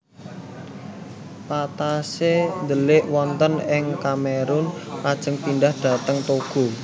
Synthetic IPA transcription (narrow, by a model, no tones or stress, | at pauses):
pat̪asend̪əlɪʔwɔnt̪ənɪŋkameɾʊnpad̥ʒ̥ə̤ŋpindahd̥ä̤t̪əŋt̪oɡ̥o̤